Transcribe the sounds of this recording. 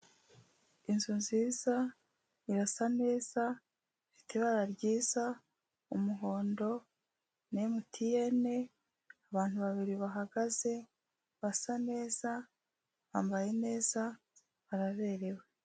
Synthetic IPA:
inzunziːza | iɾasane̞ːz̥a | fitiβaɾaɾɟiːza | umuɦo̞ːndo̞ | nemutʰije̞ne̞ | aβaːn̥huβaβiɾiβaɦaɡaze̞ | βasane̞ːz̥a | βaːmbaje̞ne̞ːz̥a | βaɾaβe̞ːɾe̞we

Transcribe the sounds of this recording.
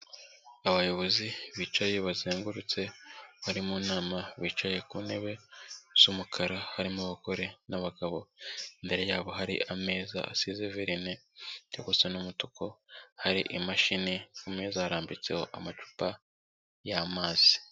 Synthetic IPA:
aβajo̞βo̞ziβiːt͡ʃaje̞βazeːŋɡuɾut͡se̞βaɾimuːnaːmaβiːt͡ʃaje̞kuːne̞βe̞z̥umukʰaɾahaɾimuβako̞ɾe̞naβaɡaβo̞imbe̞ɾe̞jaːβo̞ɦaɾḭʔame̞ːza̰a̰sizeveɾineoβosenumutuko̞haɾḭʔimaʃinekume̞ːzaaɾaːmbit͡se̞̰ho̰ʔamat͡ʃu̥pa | jamaːz̥i̥

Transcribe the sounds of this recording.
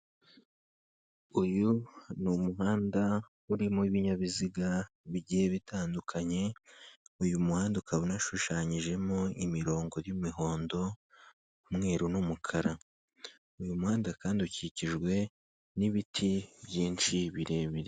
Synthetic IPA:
ujunumuɦaːnda | uɾimuiβiɲaβiziɡa | βiɟiheβitʰaːndukʰaɲe̞ | ujumuhaːndukʰaβonaʃuʃaːɲiʒe̞moimiɾo̞ːŋɡo̞ɾjumiɦo̞ːndo̞ | mŋe̞ːɾunumukʰaɾa | ujumuhaːndakaːndiuciciʒɡwe̞ | niβitʰiβjiːnʃiβiɾe̞βiɾe

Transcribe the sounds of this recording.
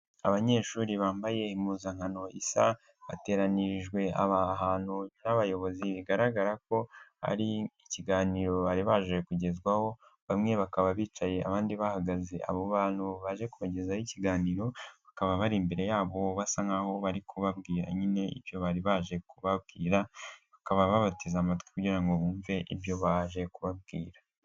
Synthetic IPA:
aβaɲe̞ːʃuːɾiβaːmbaje̞imuːzaŋhano̞ʔisa | βa̰te̞ːɾaniʒɡwe̞a̰βaɦaːn̥unaβajo̞βo̞ziβiɡaɾaɡaɾako̞ha̰ɾiːciɡaːniːɾo̞βaɾiβaʒekuɟe̞zɡwaho̞βamŋe̞βakaβaβiːt͡ʃaje̞a̰βaːndiβahaɡaze̞ʔa̰βoβaːn̥huβaʒe̞kuβaɟe̞zajiciɡaːniːɾo̞βakaβaβaɾimbe̞ɾe̞jaːβo̞βasaŋɡaho̞βaɾikʰuβabɡiːɾa̰ɲine̞ḭβjo̞βaɾiβaʒe̞kuβaβɡiːɾaβakaβaβaβatizamatwi̥kuɟiːɾaŋɡo̞βuːɱve̞ʔibjo̞βaʒe̞kuβab̚ɡiːɾḁ

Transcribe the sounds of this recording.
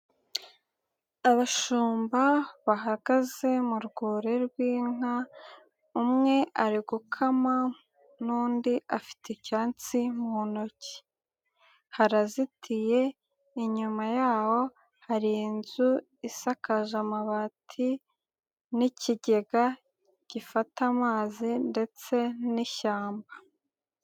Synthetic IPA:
aβaʃuːmbaβaɦaɡ̥aze̞muɾɡoːɾe̞ɾɡwiːŋa | umŋe̞ʔaɾiɡukʰama | nuːndiʔafi̥tʰecaːnt͡simuonoci̥ | haɾazitʰije̞ | iɲumajaːwo̞ | haɾiːnzu | isakaʒamaβatʰi | niciɟe̞ɡa | ɟ̥ifatamaːzinde̞t͡se̞niʃaːmba

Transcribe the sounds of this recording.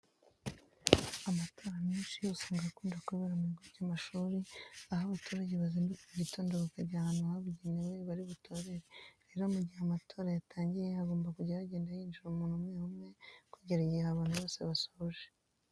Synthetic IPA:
amato̞ːɾamiːnʃiusaːŋɡakuːndakuβeɾamuɡoɾɟaːmaʃuːɾiahaβatuɾaɟeβaziːndukuiɾitoːndaβakaɾɟahanuaaβuɟenewe̞βaɾiβutʰo̞ɾe̞ɾeɾe̞ɾomuɟiheamatʰo̞ːɾajatʰaːɲɟijeaɡo̞ːmbakuɟaaβaɟeːndahiːnd͡ʒuɾumuːnhumŋeːhumŋe̞kwiːɟiɾaɟijaβaːnhuβo̞ːseβasoβoʒe

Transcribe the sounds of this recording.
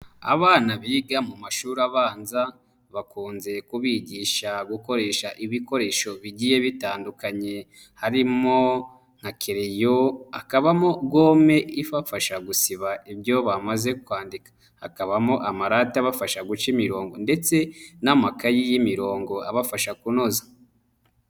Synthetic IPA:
a̰βaːnaβiɡamumaʃuɾaβaːnza | βakuːnze̞kuβiɟiːʃaɡuko̞ɾe̞ːʃaʔiβiko̞ɾe̞ʃo̞βiɟije̞βitaːndukaɲe̞ | haɾimo | ŋ̥hakʰiɾejoakaβamoɡo̞ːme̞ivafaʃaɡusiβaibjo̞βamaze̞kwaːndikḁ | ha̰kaβamoʔamaɾataβafaʃaɡut͡ʃimiɾo̞ːŋɡonde̞t͡se̞namakajijimiɾo̞ːŋɡo̞aβafaʃakuno̞za

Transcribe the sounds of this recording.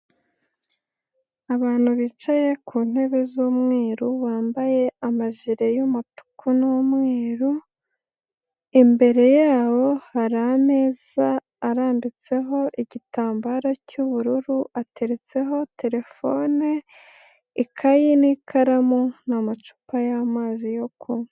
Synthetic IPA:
aβaːn̥huβit͡ʃajekuːn̥e̞βezuːmŋeːɾuβaːmbaje̞amaʒiɾe̞jumatu̥kʰunumŋeːɾu | imbe̞ɾe̞jaːβo̞haɾame̞ːz̥aː | ɾaːmbit͡se̞ɦo̞ʔiɟitaːmbaɾacuβuɾuɾuʔatʰe̞ɾe̞t͡se̞ɦo̞te̞ɾe̞fo̞ne | ikʰajinikʰaɾamonamat͡ʃu̥pajamaːzijokʰum

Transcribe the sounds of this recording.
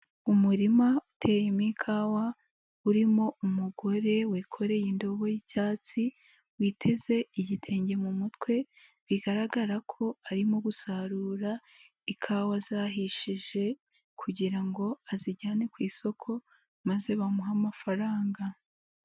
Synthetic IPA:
umuɾimautʰe̞jemikʰaːwa | uɾimo̞umuɡo̞ɾe̞weːkʰo̞ɾe̞jindo̞βo̞jicaːt͡si | wiːtʰe̞ze̞iɟitʰe̞ːɲɟe̞mumutwe̞ | βiɡaɾaɡaɾakʰo̞aɾimo̞ɡusaɾuːɾa | ikʰaːwazaɦiʃiʒe̞ | kʰuɟiɾaŋɡo̞aziɟaːne̞kwiːso̞kʰo̞ | maze̞βamuɦamafaɾaːŋɡa

